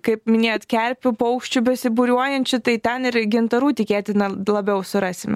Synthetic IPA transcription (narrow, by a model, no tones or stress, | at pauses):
kɐɪpmʲɪnʲeːjoːt̪kʲɛɾʲpʲʊpɐʊkʃʲt͡ʃʲʊbʲɛsʲɪbuːɾʲuɔjɛnʲt͡ʃʲʊt̪ɐɪt̪ʲɛnɪɾɡʲɪnt̪ɐɾuːt̪ʲɪkʲeːt̪ʲɪnɐlˠɐbʲɛʊsʊɾɑːsʲɪmʲ